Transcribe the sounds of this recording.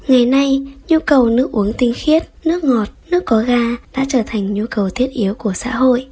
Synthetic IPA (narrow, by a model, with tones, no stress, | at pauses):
ŋa˨˩jna˧jɲu˧kə˨˩wnɨ˦˥ək̚ʔu˨˦əŋt̪ï˧ŋ̟xi˦˥ət̚nɨ˦˥ək̚ŋɔ˨˩t̚nɨ˦˥əkːɔ˨˦ɣaː˧ɗa̰ː˧˥t͡ɕəː˧˩t̪ʰa˨˩jŋ̟ɲu˧kə˨˩wt̪ʰi˦˥ət̚ʔi˨˦əwku˧˩əsa̰ː˧˥ɦo̰˧˨jʔ